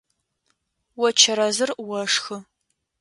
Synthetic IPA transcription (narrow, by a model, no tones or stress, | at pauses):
wɔt͡ʃʰɐɾɐzɨrwɐʂxɨ